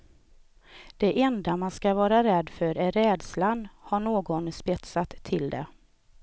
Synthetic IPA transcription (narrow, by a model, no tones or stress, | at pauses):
d̪̥ɛʔɛnd̪amanskavɑːɾaɾɛd̪fœɾæɾɛːd̪slanhaɳoːɡɔnspɛt̪sat̪ʰːɪld̪ɛ̰